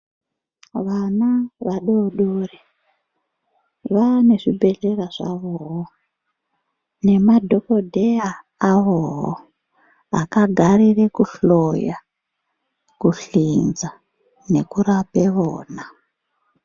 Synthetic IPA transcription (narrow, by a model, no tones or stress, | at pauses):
ʋanaʋaɗoɗore | ʋane̞ʐibʱe̞ɬe̞raʐa̰ʋoɦo | ne̞madʱo̞ko̞dʱejaː | ʋoɦo̰ | a̰kaɡʱarire̞kuɬoja | kuɬind͡za | ne̞kuɾape̞ʋo̰ːna